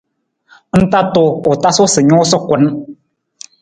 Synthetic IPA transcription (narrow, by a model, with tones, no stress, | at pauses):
n̩˦ta˦to˨o˨ta˦so˦sɨ˨ɲɔ˦sɔ˦kʷə˨˦n